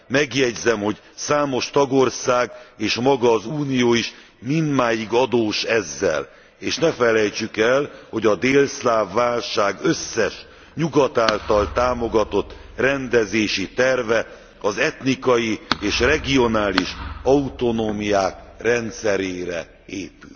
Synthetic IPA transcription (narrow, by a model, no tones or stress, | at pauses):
mɛɡjɛɟzɛmho̞ɟ | saːmo̞ʃt̪ɒɡo̞rsaːɡeːʃmɒɡɒːzuːnijoːiʃ | mind̪maːjiɡɒd̪oːʃɛzːɛ̰l | eːʃnɛfɛlɛjt͡ʃykɛlho̞ɟɒd̪eːlslaːvːaːlʃaːɡøsːɛʃ | ɲuɡɒt̪aːlt̪ɒlt̪aːmo̞ɡɒt̪o̞t̪ːrɛnd̪ɛzeːʃit̪ɛrvɛ | ɒzɛt̪nikɒjieːʃrɛɡio̞naːliʃɒut̪o̞noːmijaːkrɛnt̪sɛɾeːɾɛ | eːpy̰l